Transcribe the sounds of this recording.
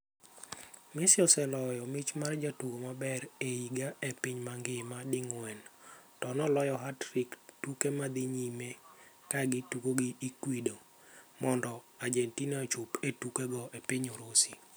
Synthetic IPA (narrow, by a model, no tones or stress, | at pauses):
mɪsɪɔsɛlɔjɔmɪt͡ʃmard͡ʒatuɡomabɛɾeiɡaepiɲmaŋɡɪmadɪŋwɛntɔnɔlɔjɔɦatrɪktukemad̪ɪɲime | kaɡɪtukoɡiːkwido | mɔndɔ | ad͡ʒentinat͡ʃʊpetukeɡɔʔepiɲoɾosi